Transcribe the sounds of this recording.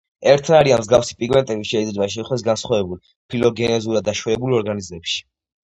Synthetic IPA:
ɛɾt̪ʰnaɾianmzɡafsi̥pʼiɡmɛnt̪ʼɛbiʃɛid̪zɾɛbaʃ̬ɛiχwd̪ɛs̬ɡansχwavɛbul | pʰilɔɡɛnɛzuɾad̪ːaʃwɛɛbulɔɾɡanizmɛpʃi̥

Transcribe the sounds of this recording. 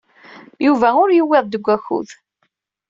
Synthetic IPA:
juvæʊɾjəwːeðˤd̪əɡʷːæçṵð

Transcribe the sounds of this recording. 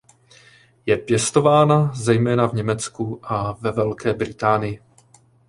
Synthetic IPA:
jɛpjɛst̪o̞vaːnazɛjmɛːnavɲɛmɛt͡skuʔavɛvɛlkɛːbɾɪt̪aːnɪjɪ

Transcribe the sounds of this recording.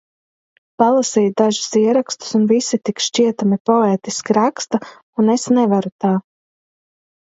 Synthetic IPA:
palˠasɛjd̪aʒu̥siɛɾakst̪u̥sunvisit̪ikʃt͡ʃiɛt̪amipɔeːt̪iskʲiɾakst̪a | unesnɛvaɾut̪aː

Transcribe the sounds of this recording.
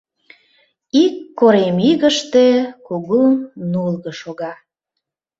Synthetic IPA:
ikːoɾemiɣəʃt̪ekuɣunulɣə̆ʃoɣɑ

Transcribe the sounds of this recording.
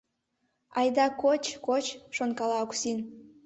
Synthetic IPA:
ɑjd̪ɑkot͡ɕkot͡ɕʃonkɑlɑoksin

